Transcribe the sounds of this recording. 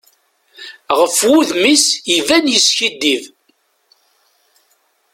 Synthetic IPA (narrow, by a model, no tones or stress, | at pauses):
ʁəfwʊðmisjivænjəsçid̪ːiv